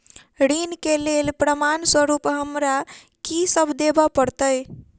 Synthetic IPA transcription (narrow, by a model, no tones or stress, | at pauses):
ɽinkelelpɾəmanswəɾupɦəmɾa | kisəbʱd̪ebapəɾt̪əj